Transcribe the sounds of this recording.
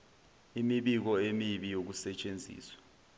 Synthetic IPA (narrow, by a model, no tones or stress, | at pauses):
imiɓik̬ɔemiɓijok̬usɛt͡ʃʼend͡zʱḭːswḁ